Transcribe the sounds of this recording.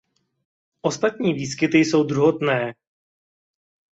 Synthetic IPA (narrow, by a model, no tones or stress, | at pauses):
ʔo̞st̪at̪ɲiːviːs̬kɪt̪ɪjso̞wd̪ɾuɦot̪nɛː